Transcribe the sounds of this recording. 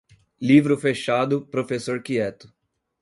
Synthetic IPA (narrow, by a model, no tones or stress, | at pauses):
livɾʊfeʃad̪ʊpɾofesoɾkiɛt̪ʊ̥